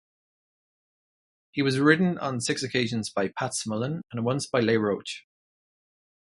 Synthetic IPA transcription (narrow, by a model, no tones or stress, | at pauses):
hiwɒzɹɪʔn̩ə̰̃nsɪksəkʰeɪʒə̃nzbaɪpʰatsmələ̃nə̃nwʌ̃nsb̥aɪleɪɹoʊt͡ʃ